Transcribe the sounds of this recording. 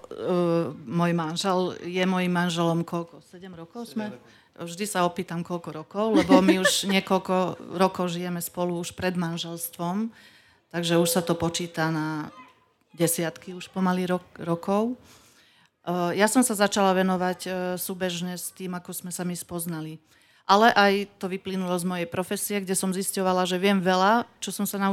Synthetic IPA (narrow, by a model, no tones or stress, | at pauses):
mɔjmanʒɛljɛmɔjimːanʒɛlɔmkɔlkɔsɛɟɛmɾɔkɔʊzmɛ | vʒd̪isaɔpiːt̪amkɔʎkɔɾɔkɔʊlɛbɔmiuʃɲɪɛkɔlkɔɾɔkɔʊʒijɛmɛspɔluuʃpɾɛd̪manʒɛlst̪ʋɔm | t̪aɡʒɛuʃsat̪ɔpɔt͡ʃiːt̪ana | ɟɛsɪat̪kiuʃpɔmaliɾɾɔkɔʊ | jasɔmsazat͡ʃalaʋɛnɔʋacsuːbɛʒɲɛst̪iːmakɔz̥mɛsamispɔznali | ʔalɛʔajt̪ɔʋiplinulɔzmɔjɛjpɾɔfɛsijɛɡɟɛsɔmziscɔʋalaʒɛʋɪɛmʋɛlat͡ʃɔsɔmsanau